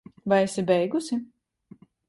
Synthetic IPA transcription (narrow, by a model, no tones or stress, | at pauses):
vajɛsibɛjɡusi